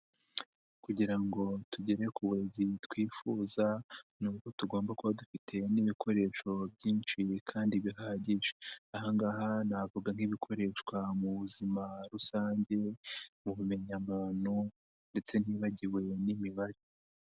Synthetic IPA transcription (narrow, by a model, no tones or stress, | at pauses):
kuɟiɾaŋɡo̞tuɟeɾe̞kuwe̞ːɟitwiːfuːzanuːko̞tuɡo̞ːmbakuβadufitʰe̞niβikʰo̞ɾe̞ːʃo̞bɟiːnt͡ʃikʰaːndiβihaːɟiʒeahaŋɡaːɦanavuɡan̥hiβikʰo̞ɾe̞ːʃkwamuβuzimaɾusaːɲɟe̞muβume̞ɲamuːn̥u | nde̞t͡se̞n̥iːβaɟiwe̞nimiβaɾi